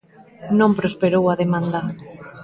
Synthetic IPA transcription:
nõmpɾospeɾowaðemãnd̪a

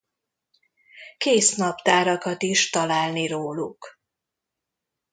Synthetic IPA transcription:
keːsnɒpt̪aːɾɒkɒt̪iʃt̪ɒlaːlniɾoːluk

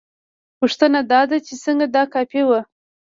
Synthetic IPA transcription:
puʂt̪ənad̪ɑd̪at͡ʃesəŋɡad̪ɑkɑpewə

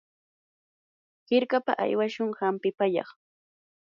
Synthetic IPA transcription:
hɪɾkapa̰ʔa̰jwaʃʊŋhampɪpaʎɑ̰χ

